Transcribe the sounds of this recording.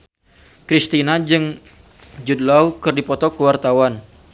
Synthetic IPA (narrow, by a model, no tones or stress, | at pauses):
kɾist̪inad͡ʒɨŋ | d͡ʒudlaukɨrdipɔt̪ɔkəwart̪awan